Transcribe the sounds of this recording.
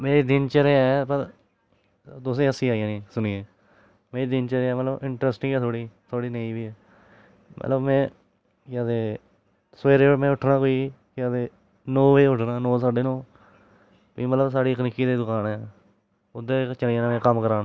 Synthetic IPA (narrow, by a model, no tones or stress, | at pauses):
meːɾiːd̪ɪnt͡ʃəɾeːɛpəɾ | d̪ʊs̬ẽːəsĩːaːijãːnĩːsʊniːeː | meːɾiːd̪ɪnt͡ʃəɾeːɛːmət̪ləbɪɳʈɾɛːsʈɪ̃ŋɡɛːt̪ʰoːɽiːt̪ʰoːɽiːnəĩːʋiːɛː | mʔə̰t̪ləbmɛ̃ː | jaːd̪eː | sʋeːɾeːmɛ̃ːʊʈʰːnãːkoːiː | kɪaːd̪eː | noːʋeːʊʈʰnaːnoːsaːɖeːnõː | piːmət̪ləbsaːɖiːkənɪkiːd̪eːd̪ʊkaːnɛː | ʊd̪eːt͡ʃəliãːmɛ̃ːkəmkəɾaːn